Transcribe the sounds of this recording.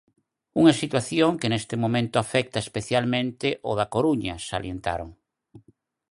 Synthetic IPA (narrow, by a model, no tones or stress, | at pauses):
uŋɐsit̪waθjoŋkenest̪emõmẽnt̪ʊafɛk̚t̪aespeθjalmẽnt̪eʔoðakoɾuɲɐsa̰ljent̪a̰ɾoŋ